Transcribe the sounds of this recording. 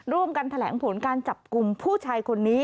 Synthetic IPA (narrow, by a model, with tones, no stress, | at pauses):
ɾu˧˩əmka˧nt̪ʰa˧lɛ̰ː˩˦ŋpʰo˩˦nkaː˧nt͡ɕa˨˩p̚ku˧mpʰuː˥˩t͡ɕʰaː˧jkʰo˧nːiː˦˥